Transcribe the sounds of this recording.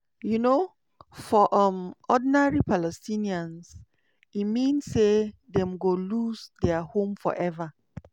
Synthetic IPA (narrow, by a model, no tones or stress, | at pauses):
juno | fɔʔɔmɔdinaɹipʰalɛstĩniãns | imĩnsːedɛ̃mɡolusdɛahõmfɔ̰ʔɛva